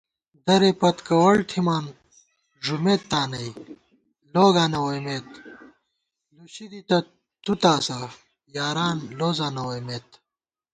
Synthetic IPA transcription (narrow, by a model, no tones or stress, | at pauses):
d̪ɐɾepɐt̪kɐwɐɭt̪ʰimaːn | ʐumeːt̪ːaːnɐj | loːɡaːnɐwɐmeːt̪ | luɕid̪it̪ɐ | t̪ut̪aːsɐ | jaːɾaːnloːzaːnɐwɐjmeːt̪